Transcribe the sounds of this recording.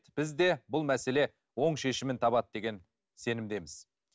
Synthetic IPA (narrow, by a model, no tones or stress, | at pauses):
t̪b̥ɪzd̪e̞bʊlˠmæse̞le̞ | wo̞ɴʃe̞ʃɪmɪnt̪ʰɑbɑt̪̚d̪e̞ɡʲe̞n | se̞nɪmd̪e̞mɪz̥